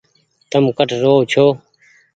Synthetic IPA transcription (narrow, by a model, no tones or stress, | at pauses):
t̪əmkəʈʰɾoːt͡ʃʰoː